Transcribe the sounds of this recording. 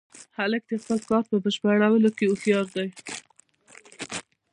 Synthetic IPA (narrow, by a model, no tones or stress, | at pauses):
halək̚d̪expəlkɑɾpəbəʃpaɽawəlokeuxjɑɾd̪aj